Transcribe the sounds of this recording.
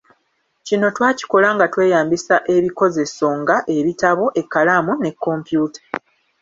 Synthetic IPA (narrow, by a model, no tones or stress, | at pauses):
cino̞twaːci̥ko̞laŋɡatwe̞ːjaːmbisaʔe̞βiko̞ze̞so̞ŋɡaʔe̞βitaβo̞ʔe̞kːalamune̞kːo̞ːmpjuːtḁ